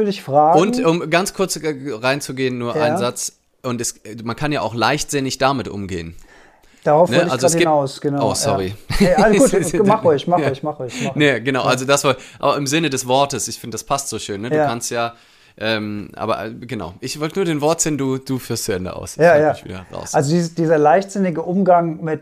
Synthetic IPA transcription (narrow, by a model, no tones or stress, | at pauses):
vydɪçfʁ̥aːɡʊntʊmɡant͡skʰʊɐt͡sʁaɪnt͡suɡeːənːuːɐʔa̰ɪnzat͡s | ʔʊntɛsmankʰanjaːʔa̰ʊxlaɪçtz̥ɪnɪçd̥amɪtʔʊ̰mɡḛːən | d̥aʁaʊfnəʔalzoɛsɡiaʊsɡ̥ənaoːsɔʁiauːtmaχoçmaçmaχɔnəɡənaʊʔalzodasv̥ɔʔa̰ːbɐɪmzɪnədɛsv̥ɔɐtəsʔɪçfɪndədaspʰastz̥oːʃøːnːəduːkʰanstjaː | ʔɛːmʔa̰ːbɐ̰ɡ̥əna̰ʊʔɪçv̥ɔltənuɐdaɪːnvɔɐtz̥ɪːnduːd̥uːfyːɐstt͡suɛndə̰ʔa̰ʊsajavḭːɐ̰ʁa̰ʊsalzodiːzd̥iːzɐlaɪçtz̥ɪnɪɡəʔʊmɡaŋmɪt